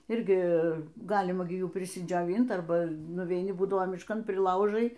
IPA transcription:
ˈɪrʲɡʲɪ ˈɡɑːlʲɪmɐ ɡʲɪ ˈjuː pʲrʲɪsʲɪd͡ʒʲoːˈʋʲiːnt ˈɐrbɐ nʊʋʲɛɪˈnʲɪ ˈbuːdɐʋoː mʲɪʃˈkɐn pʲrʲɪˈlˠɐʊʒɐɪ

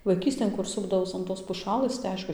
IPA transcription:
ʋɐɪˈkʲiːsʲtʲeːn ˈkʊr ˈsʊbdɐʋɐʊs ɐn ˈtoːs pʊˈʃɑːlˠɘs tɐɪ ˈɐɪʃkʊ

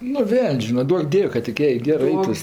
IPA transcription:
nʊ ˈʋʲɛlʲnʲsʲ ˈʒʲiːnɐ ˈduɔk ˈdʲiɛw kɐt tʲɪk ˈjɛɪ ˈɡʲæːrɜ ˈɐɪtʊs

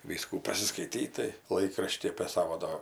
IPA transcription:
ˈʋʲiːskuː pɐsʲɪskɐɪˈtʲiːt tɐɪ ˈlˠɐɪkrɐʃʲtʲiː ɐpʲeː ˈsɑːʋoː doː

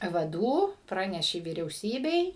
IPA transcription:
ʋɐˈduː ˈprɑːnʲɛʃʲeː ʋʲiːrʲɛʊˈsʲiːbʲɛɪ

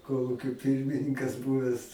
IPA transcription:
ˈkoːlˠuːkʲoː ˈpʲɪrʲmʲɪnʲɪŋkɐs ˈbuːʋʲɛs

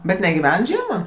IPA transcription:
bʲɛt nʲɛɡʲɪˈʋʲɛn ˈʒʲiɛmɐ

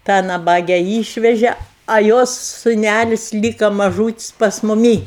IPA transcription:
tɑː nɐˈbɑːɡʲɛ ˈiːʃʲʋʲɛʒʲɛ ɐ ˈjoːs sʊˈnʲælʲɪsʲ ˈlʲiːkɐ mɐˈʒuːtʲɪsʲ pɐs mʊˈmʲiː

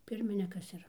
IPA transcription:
ˈpʲɪrʲmʲɪnʲɪkɐs ˈɪr

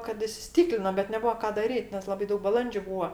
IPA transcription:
kɐt ɪsʲɪˈsʲtʲiːklʲɪnoː bʲɛt nʲɛˈbʊɐ ˈkɑː dɐˈrʲiːt nʲɛs ˈlˠɑːbɐɪ ˈdɐʊk bɐˈlˠɐnʲd͡ʒʲʊ ˈbuːɐ

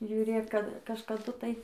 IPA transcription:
ʒʲʊˈrʲeːk kɐt kɐʃkɐˈdʊ ˈtɐɪ

